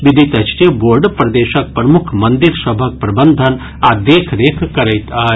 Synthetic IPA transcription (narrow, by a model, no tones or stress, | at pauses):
ʋid̪ʱit̪ɐt͡ʃʈijəboːɾɖpɾɐd̪eːʃɐk̚pɾɐmukʰmɐnd̪iɾsɐbʱɐk̚pɾɐbənd̪ʱən | aːd̪eːkʰɾeːkʰkɐɾɐjt̪aː